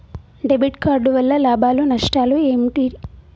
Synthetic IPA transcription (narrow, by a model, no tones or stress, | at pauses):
ɖebiʈkaːɾɖuʋɐlːɐlaːbʱaːlunɐʂʈaːluemiʈi